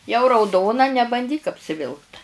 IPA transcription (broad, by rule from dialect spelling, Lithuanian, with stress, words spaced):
jɛʊ rɐʊˈdoːnɐ nʲɛbɐnʲˈdʲiːk ɐpʲsʲɪˈʋʲɪlˠkt